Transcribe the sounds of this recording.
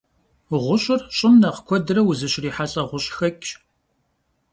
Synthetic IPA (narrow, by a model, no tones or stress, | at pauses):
ʁʷʊɕʼɪrɕʼɪmnɐqkʷʰɔdɨrɐwʊzɨɕriːħaɬʼɐʁʷʊɕʼxɐkʲʼ